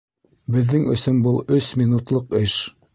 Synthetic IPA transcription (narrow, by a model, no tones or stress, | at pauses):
bɘ̆ðːɘŋɵ̰̆sɵmbulˠɵsmʲinut̪lˠɤqɘʃ